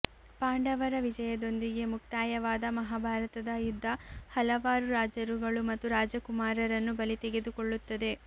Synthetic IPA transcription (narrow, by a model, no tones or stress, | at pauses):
paːɳɖɐʋɐɾɐʋid͡ʒɐjɐd̪o̞nd̪iɡe̞muk̚t̪aːjɐʋaːd̪ɐmɐɦaːbʱaːɾɐt̪ɐd̪ɐjud̪ʱːɐhɐlɐʋaːɾuɾaːd͡ʒɐɾuɡɐɭumɐt̪ːuɾaːd͡ʒɐkumaːɾɐɾɐnːubɐlit̪eɡe̞d̪ukoɭːut̪ːɐd̪e̞